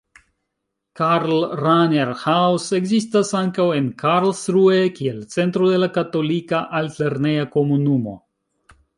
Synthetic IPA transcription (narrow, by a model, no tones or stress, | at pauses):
kaɾlɾaneɾhawse̞ɡzistasaŋkawe̞nkʰaɾlsɾuekie̞lt͡se̞ntɾode̞lakato̞likaʔalteɾnejako̞munumo̞̰